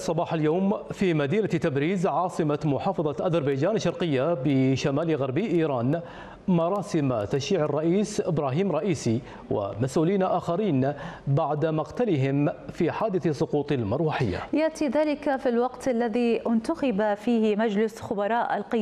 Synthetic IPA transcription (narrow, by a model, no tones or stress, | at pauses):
sˤːɑbɑːħaljowmfiːmad̪iːnat̪abɾiːzʕɑːsˤɨmamʊħɑːfɑðˤɑʔazɑɾˤbajd͡ʒaːnaʃːɑɾˤqɪjːabɪʃamaːlɣaɾˤbiːʔiːɾɑːn | mɑɾˤɑːsɪmt̪aʃiːʕɑrˤːɑʔiːsʔɪbɾaːɦiːmɾˤɑʔiːsi | wɪ̰masʔuːliːnaʔaːxaɾiːnbaʕd̪amɑqt̪alɪɦɪmfiːħaːd̪ɪθsˤʊquːt̪ˤɪlmɑɾˤwaħɪjːa̰jaʔt̪iðaːlɪkafilwɑqt̪ʔalːaðiʔɪnt̪axɑbafiːhmad͡ʒlɪsxʊbɑɾˤɑːʔalqɪ